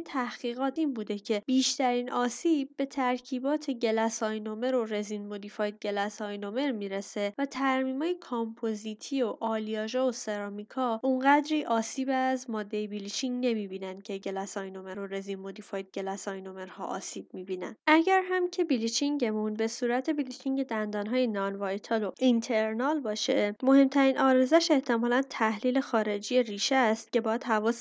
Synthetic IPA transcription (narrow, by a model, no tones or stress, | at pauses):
t̪ʰæhɣ̥iːɣɒːt̪ʰiːnbuːd̪ecʰe̞b̥iːʃt̪æɾiːnʔɒːsiːb̚ːe̞t̪ʰæɾcʰiːbɒːt̪ʰe̞ɟe̞læsɒːjno̞me̞ɾo̞ɾe̞zinmo̞d̪ifɒj̪̚ɟe̞læsɒjno̞me̞ɾmiːɾe̞se̞væt̪ʰæɾmiːmɒːjekʰompʰozit̪ʰio̞ʔɒːliɒːʒɒːose̞ɾɒːmikʰɒːʔuɴɢæd̪ɾiːʔɒːsiːbæzmɒːd̪ːe̞jebilit͡ʃʰiŋɟne̞miːbiːnænd̪̥cʰe̞ɟe̞læsɒjnomeɾoɾezimod̪ifɒːjd̪̚ɟe̞læsɒjnomeɾhɒ̰ːʔɒ̰ːsiːb̥̚miːbiːnæ̰nʔæɟæɾɦæmcʰe̞bilit͡ʃʰiŋɟe̞munbe̞suːɾæt̪ʰe̞bilitʰiŋɟe̞d̪ænd̪ɒːnɦɒːjenɒnvɒjt̪ʰelo̞int̪ʰeɾnɒlbɒːʃemo̞he̞mt̪ʰæɾiːnʔɒːɾezæʃe̞ht̪ʰe̞mɒːlænt̪ʰæhliːle̞xɒːɾe̞d͡ʒijeriːʃest̪̚ce̞bɒːjæd̪ɦævɒːs